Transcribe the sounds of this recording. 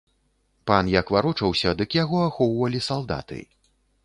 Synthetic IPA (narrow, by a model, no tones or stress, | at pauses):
panjakvaɾut͡ʂɐwsʲɐd̪ɨkjaɣɔaxɔwvɐlʲisalˠd̪a̰t̪ɨ̰